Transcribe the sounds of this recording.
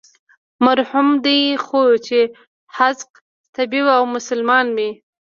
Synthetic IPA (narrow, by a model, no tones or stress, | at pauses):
maɾhumd̪əjxot͡ʃe | hazq | t̪abibawmʊsʊlmɑnwi